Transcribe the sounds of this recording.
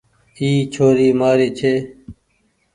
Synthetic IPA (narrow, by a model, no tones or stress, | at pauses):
iːt͡ʃʰoːɾiːmaːɾiːt͡ʃʰeː